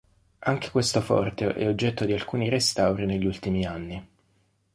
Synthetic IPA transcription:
aŋk̟e̥kwest̪ofɔ̰rt̪eʔɛ̰od͡ʒːɛt̪ːod̪ialkuːniɾest̪awɾineʎːult̪imianːi

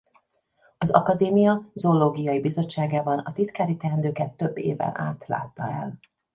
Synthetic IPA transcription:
ɒzɒ̰kɒd̪eːmijɒzoːloːɡijɒjibizo̞t͡ʃːaːɡaːbɒnɒt̪it̪kaːɾit̪ɛnd̪øːkɛt̪ːø̞bːḛːvɛ̰nʔa̰ːt̪la̰ːt̪ːɒɛ̰l

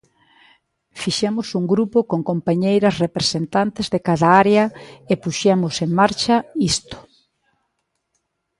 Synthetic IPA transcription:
fiʃemʊsuŋɡɾupʊkoŋkompaɲejɾɐsrepɾesent̪ant̪ezðekaðɐaɾeɐepuʃemʊseŋmaɾt͡ʃɐist̪ʊ̥

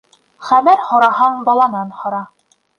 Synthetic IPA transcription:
χæmæɾhŏɾɑɦɑɴbɑlˠɑnɑnhŏɾɑ

